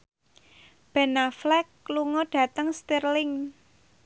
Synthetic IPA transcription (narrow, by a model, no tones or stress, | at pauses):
b̥ɛ̤naflɛkːluŋɔɖ̥ä̤t̪əŋst̪irlɪŋ